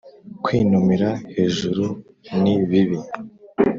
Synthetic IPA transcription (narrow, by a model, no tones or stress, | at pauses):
kwinumiɾahe̞ːʒuɾu | niβiβi